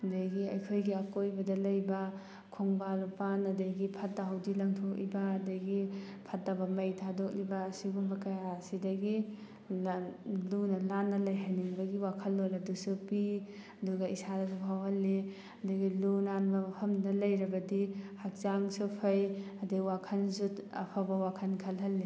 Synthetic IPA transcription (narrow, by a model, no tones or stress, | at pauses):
daɡiɐjkʰojɡiakojbɐdɐlɐjbɐ | kʰoŋbalupanɐdajɡipʰɐt̚daɦawdilɐŋtʰok̚libaːdajɡipʰɐt̚dabɐmɐjtʰadok̚libaːsibumbɐkajasidɐɡi | lunɐlanːɐlɐjɦaniŋbɐɡiwakʰɐlːolɐdusupiɐduɡɐisadɐɡipʰawhɐlːi | ɐduɡilunanbɐpʰɐmdɐlɐjɾɐbɐdihak̚zaŋsupʰɐjɐdɯɡwakʰɐnzutɐ̰pʰabɐwakʰɐnkʰɐlɦɐlːi